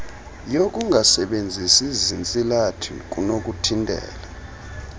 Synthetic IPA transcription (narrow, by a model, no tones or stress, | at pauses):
jok̬ʼuŋʱasɛɓend͡zʱisizint͡sʼilatʰḭk̬ʼunok̬ʼutʰindʱɛ̰ːla